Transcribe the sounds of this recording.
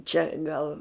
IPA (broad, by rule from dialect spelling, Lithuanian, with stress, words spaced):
ˈt͡ʃʲɛ ˈɡɐlˠ